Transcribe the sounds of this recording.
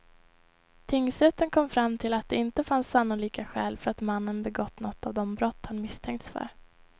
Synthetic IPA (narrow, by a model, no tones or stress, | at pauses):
t̪ʰɪŋːsɾɛt̪ːənkʰɔmːfɾamːt̪ʰɪlat̪̚d̪ɛɪnt̪əfansːanːʊliːkaɧɛːlfœɾat̪manːənbɛɡɔt̪ːnɔt̪ːavd̪ɔmbɾɔt̪ːhanmɪst̪ʰɛŋkt̪sfœ̰ɾ